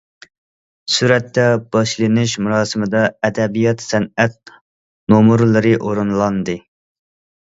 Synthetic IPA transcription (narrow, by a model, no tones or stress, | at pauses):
syɾɛt̪ːɛb̥ɑʃlˠɨnɨʃmuɾɑːsɨmɨd̪ɑɛd̪ɛbijɑt̪sɛnɛt̪̚ | nomuɾlˠɨɾɨʔoɾɨnlˠɑnd̪ɨ